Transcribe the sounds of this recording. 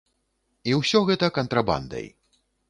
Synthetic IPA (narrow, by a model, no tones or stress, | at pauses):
iwsʲɔɣɛt̪ɐkɐnt̪ɾaba̰nd̪ɐ̰j